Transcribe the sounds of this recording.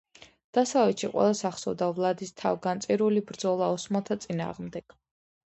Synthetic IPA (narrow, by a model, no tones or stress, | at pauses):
d̪̥asavɛt̪ʃiqʼwɛ̰lˠasaχsɔ̰vd̪avlˠad̪ist̪ʰa̰vɡant̪sʼiɾulibɾd̪zɔlˠaɔsmat̪ʰat̪sʼina̰ːʁmd̪ɛɡ̥